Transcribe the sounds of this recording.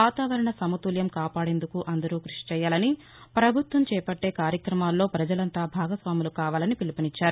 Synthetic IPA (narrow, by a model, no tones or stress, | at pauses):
aːt̪aːʋɐɾɐɳɐsɐmɐt̪uːljɐmkaːpaːɽe̞ːnd̪ukuʔɐnd̪ɐɾuːkɾuʂi̥t͡ʃɛːjaːlɐni | pɾɐbʱut̪ʋɐmt͡ʃɛːpɐʈːe̞ːkaːɾjɐkɾɐmaːlːo̞ːpɾɐd͡ʒɐlɐnt̪aːbʱaːɡɐsʋaːmulukaːʋaːlɐnipilipɐnit͡ʃːaːɾu